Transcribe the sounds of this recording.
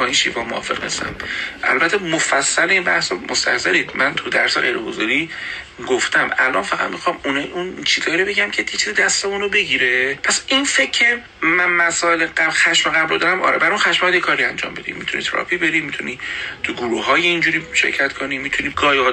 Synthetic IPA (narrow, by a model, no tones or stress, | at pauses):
bɒinʃḭvɒːmoɒ̰ːfe̞̰ʁnḭst̪æ̰mʔæ̰lbæt̪ʰːemofæsːæleinbæhsɒmost̪æ̰hsæɾiːd̪mænt̪ʰud̪æ̰ɾseɣḛjɾeɡozɒɾiː | ɡoft̪æmæ̰lʔɒ̰nfæɣæ̰d̪mixɒmununt͡ʃʰizɒːiɾo̞be̞ɟæmcʰejet͡ʃʰiːzid̪æst̪emunobe̞ɟiɾe̞pʰæsinfecʰːe | mænmæsɒːeleɡæxæʃmeɣæblod̪ɒɾæmʔɒ̰ːɾebæɾɛunxæʃmjd̪jekʰɒːɾiænd͡ʒɒ̰ːmbe̞d̪ḭmit̪ʰuniːt̪ʰeɾɒ̰fibe̞ɾimit̪ʰunit̪ʰuɡuɾuɦɒːjeind͡ʒuɾiːʃḛɾcʰæt̪kʰoniːmit̪ʰuniːɡɒːjɒ